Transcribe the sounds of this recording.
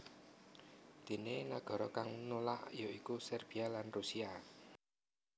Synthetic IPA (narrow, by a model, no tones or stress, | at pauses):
d̪̥e̤neŋaɡ̥ɔ̤ɾɔkaŋnolaʔjoikusɛrb̥ialanrusia